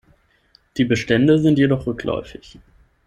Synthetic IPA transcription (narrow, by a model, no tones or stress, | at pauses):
d̥iːbəʃtɛndəzɪntjedɔχʁʏklɔ̰ʏfɪç